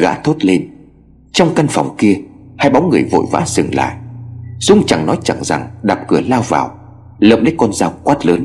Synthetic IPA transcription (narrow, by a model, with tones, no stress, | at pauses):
ɣa̰ː˧˥t̪ʰo˦˥t̚le˧n | t͡ɕɔ˧wŋ͡mka˧nfɔ˨˩wŋ͡mki˧əhaː˧jɓɔ˨˦wŋ͡mŋɨ˨˩əjvo̰˧˨jva̰ː˧˥zɨ̰˨˩ŋla̰ː˧˨jz̥ʊ˨˧˥ŋ͡mt͡ɕa˨˩ŋnɔ˨˦jt͡ɕa˨˧˩ŋza̰˨˩ŋɗaː˨˩p̚kɨ˧˩əlaː˧wva̰ː˨˩w | lə̰ː˧˨mlə̰˨˦˥kɔ˧nzaː˧wkwaː˦˥t̚ləː˨˦n